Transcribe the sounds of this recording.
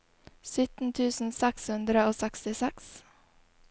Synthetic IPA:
sʏt̪n̩t̪ʰʉːsn̩sɛkshʉnd̪ɾəoːsɛkst̪ɪsɛks

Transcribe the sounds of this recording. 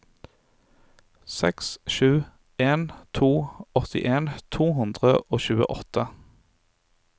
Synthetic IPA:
sɛksʃʉː | eːnt̪ʰuːɔt̪ʰɪ̰ʔeːnt̪ʰuːɦʉnd̪ʁəʔoːçʉːə̰ʔɔt̪ə

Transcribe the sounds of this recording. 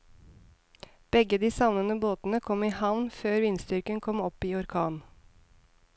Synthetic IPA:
b̥ɛɡəd̪iːsɑʋnənəboːt̪n̩əkʰɔmiːhɑʋnføːɾʋɪnst̪ʏɾkənkʰɔmɔpiːɔɾkʰɑːn

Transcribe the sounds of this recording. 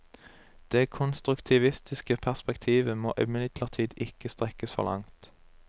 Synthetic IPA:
d̪̥eːkʰʊnst̪ʁʉkt̪ʰɪʋɪst̪ɪskəpʰæʁspɛkt̪ʰiːʋəmo̰ːʔɪmɪlɪt̪ʰləʁt̪ʰiːd̪ɪkəst̪ʁɛkəsfɔ̰ʁlʔɑ̰ŋt̪

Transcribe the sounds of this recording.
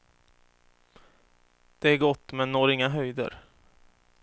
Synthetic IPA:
d̪̥ɛæɾɡɔt̪ːmɛnːoːɾɪŋːaɦœjd̪ə̰ɾ

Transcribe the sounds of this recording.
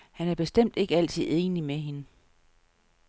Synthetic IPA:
hænæɐb̥e̝sd̥em̰d̥e̝ɡ̥əæl̰t͡sʰið̞̰ˠe̝ːnimeɦe̝nə

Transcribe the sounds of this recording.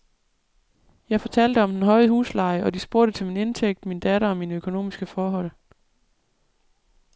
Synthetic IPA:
jɑ̈ɪfɒ̽t͡sʰæl̰d̥əɒ̽md̥enɦɒ̽ɪhṵːslɑ̈ɪəʔɒ̽d̥isb̥o̝ɐ̰ɾ̥ət͡sʰe̝lmine̝nt͡sʰeɡ̥̚d̥mind̥æɾɐɒ̽mːinəøkʰo̝no̝̰ːmisɡ̥əfɒːɦɒ̽l̰

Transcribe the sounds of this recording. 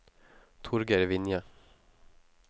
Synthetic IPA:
t̪ʰʊɾɡəɾvɪnja

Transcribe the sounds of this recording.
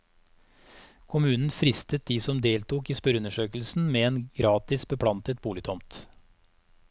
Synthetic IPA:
kʰʊmʉːnn̩fɾɪst̪ət̪̚d̪iːsɔmd̪eːlt̪uːkiːspœɾʉnəʂøːkəl̩sn̩meːeːnɡ̥ɾɑːt̪ɪsbəpʰlɑnt̪ət̪̚buːlɪt̪ʰɔmt̪

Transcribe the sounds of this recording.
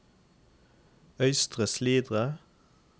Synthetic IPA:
œʏst̪ʁəsliːd̪ʁə

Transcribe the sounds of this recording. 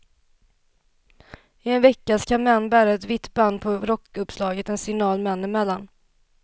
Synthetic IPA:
ɪɛnvɛkːaskʰanmɛnːbæːɾaɛt̪vɪt̪ːband̪pʰɔɾɔkːɵpslɑːɡət̪ɛnsɪnɑːlmɛnːɪmɛlːan

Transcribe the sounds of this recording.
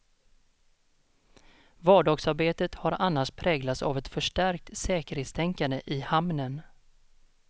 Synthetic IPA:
vɑːɖɑːɡsaɾbeːt̪ət̪haɾanːaʂpʰɾɛːɡlat̪sa̰vɛt̪fœʂʈæɾk̚t̪sɛːkəɾheːt̪st̪ʰɛŋkand̪əʔɪhamnən

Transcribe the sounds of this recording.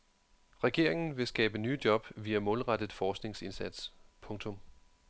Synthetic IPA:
ʁɛɡ̥e̝ɐ̰e̝ŋn̩ʋe̝sɡ̥ɛːb̥əny̰ːd̥jɒ̽b̥ʋiæmɔ̽ːlʁɑd̥əð̩ˠfɒːsɡ̥ne̝ŋse̝nsæd̥spʰɔ̽ŋt͡sʰɔ̽m

